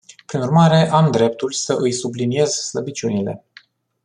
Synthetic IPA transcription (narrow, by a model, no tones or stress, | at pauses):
pɾinurmaɾe̞ʔamd̪ɾe̞p̚t̪ulʲsəʔɨjsublinie̞zsləbit͡ʃunile̞̰